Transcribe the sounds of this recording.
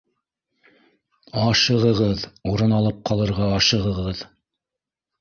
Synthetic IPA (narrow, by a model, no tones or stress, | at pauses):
ɑʃɤ̆ʁɤ̆ʁɤðuɾɤnɑlˠɤp̚qʰɑlˠɤ̆ɾʁɑːʃɤ̆ʁɤ̆ʁɤð